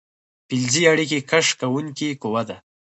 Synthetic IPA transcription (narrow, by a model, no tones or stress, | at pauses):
pilziaɽik̬ekaʂkawuŋkikowad̪a